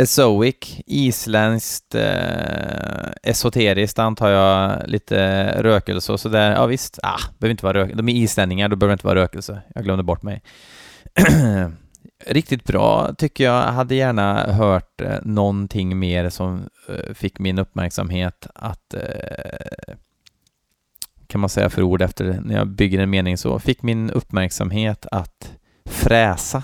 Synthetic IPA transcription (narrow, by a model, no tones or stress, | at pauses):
ɛsoɪkiːslɛnskt̪ | ɛsʊt̪ʰeːɾɪskt̪ant̪ʰɑːjɑliːt̪ʰə̰ɾøːkə̰lsəɔsɔd̪æɾjɑ̰ːvɪst̪a̰b̥əɛøvɪnt̪əʋɑːɾøːkd̪ɔmɛiːslɛnːɪŋaɖɔbœœvɾɪt̪əɑ̰ːɾøːkəlsəjɑːɡlœmd̪əbɔʈːmɛ̰j | ɾɪk̚t̪ɪt̪̚bɾɑ̰ːt̪ʰʏkːəjɑɦad̪ːəjæːɳaɦœːʈnɔnt̪ʰɪŋːmeːɾsɔm | fɪkːmɪnɵpːmæ̰ɾksa̰mɦeːt̪a̰t̪ | kʰanmansɛjːa̰fœɾuːɖɛft̪ʰəɾnæjɑ̰ːbʏɡːəɾɛnmeːnɪŋsɔ̰fɪkːmɪnɵpːmæɾksa̰mɦeːt̪ʰat̪ | fɾɛːsa